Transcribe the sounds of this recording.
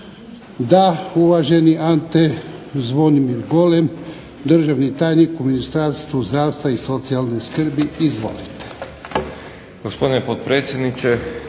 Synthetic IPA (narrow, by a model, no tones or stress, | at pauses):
d̪auʋaʒe̞niʔant̪ezʋo̞nimiɾɡo̞lem | d̪r̩ʒaʋnit̪aːjnikuminist̪ɾaːst̪ʋuzd̪ɾaːʋst̪ʋaiso̞t̪sialˠne̞skr̩biizʋo̞̰lit̪e̥ | ɡospod̪inepot̪̚pɾeːt̪sjed̪nit͡ʃe